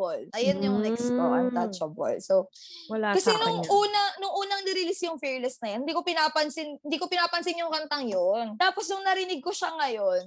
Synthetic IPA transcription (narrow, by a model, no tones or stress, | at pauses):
olʔɐjonjʊŋnɛkskowʔɐnt̪at͡ʃɐbo̰lso | wɐlakɐsɛnʊŋʔuːnɐnʊŋʔuːnɐŋnɪɾɪlisjʊŋfɛɹlɛsnɐjɐnhɪnd̪iːko̞pɪnaːpɐnsɪnɪnd̪iːkopɪnaːpɐnsɪnjʊŋkɐnt̪ɐŋjont̪aːposnʊŋnɐɾɪnɪɡ̚koʃɐŋɐjo̞n